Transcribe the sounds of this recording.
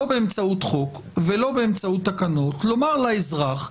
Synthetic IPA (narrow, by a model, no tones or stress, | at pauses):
obeemt͡saut̪χo̞k | velo̞beemt͡saut̪ːakano̞t̪lo̞maʁlaezʁaχ